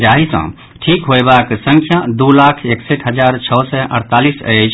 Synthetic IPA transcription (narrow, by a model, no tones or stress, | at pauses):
d͡ʒaɦisə̰̃ | ʈʰikɦoebaksə̃ŋkʰjad̪ulakʰekseʈɦəd͡ʒaɾt͡ʃʰɔwsɛʔə̰ɾt̪alisə̰jt͡ʃʰ